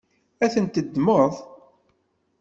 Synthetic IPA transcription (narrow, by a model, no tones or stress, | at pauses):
æθənt̪ːəd̪ːmoðˤ